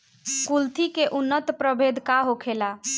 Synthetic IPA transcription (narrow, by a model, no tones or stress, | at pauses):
kult̪ʰikeʔunːət̪pɾəbʱed̪ʱkaɦokʰela